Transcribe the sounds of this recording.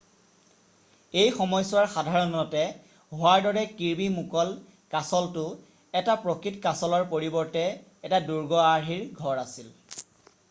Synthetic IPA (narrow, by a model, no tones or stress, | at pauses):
ejxɔmɔjsʊwaɹxadʱaɹɔnɔtɛ | ɦoaɹdɔɹɛkiɹbimukɔl | kasɔltʊ | ɛtapɹokɹitkasɔlɔɹpoɹibɔɹtɛː | taduɹɡɔaɹɦiɹɡʱɔɹasil